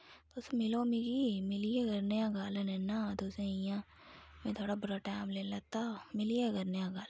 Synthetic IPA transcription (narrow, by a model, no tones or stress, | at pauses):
t̪oːsomɪlomiɡimɪlijeɡɐɾnejãɡaːlənɛnːad̪osẽijã | mẽt̪ʰoːɽabɐɾaʈaːmleːlat̪amɪlijeɡɐɾnejãɡaːl